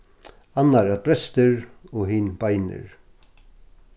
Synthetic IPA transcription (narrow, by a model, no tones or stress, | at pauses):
anːaɾat̪̚bɾɛst̪ɪɾɔɦiːnbajnɪ̰ɹ